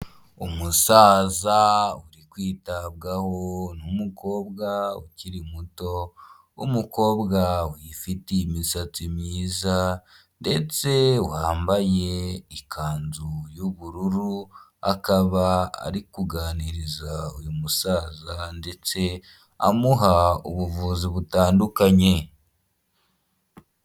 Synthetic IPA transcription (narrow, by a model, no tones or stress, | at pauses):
umusaːzauɾikwiːtabɡaho̞numuko̞ːbɡauciɾimuto̞ | ṵmuko̞ːbɡawifiteimisat͡simɲiːza | nde̞t͡se̞whaːmbaje̞ikʰaːnzujuβuɾuɾuakaβaa̰ɾikuɡaːniɾizaojumusaːzande̞t͡se̞ | a̰muɦauβuvuːziβutaːndukaɲe̞